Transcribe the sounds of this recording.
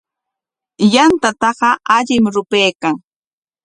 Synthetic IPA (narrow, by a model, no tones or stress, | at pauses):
jant̪at̪ɑɢɑaʎɪmɾʊpejkaŋ